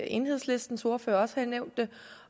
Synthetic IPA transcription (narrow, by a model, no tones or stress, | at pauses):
e̝nɦeðˠsle̝sd̥n̩so̝ɐføːɐɒ̽sə̥hæneʊ̰nd̥e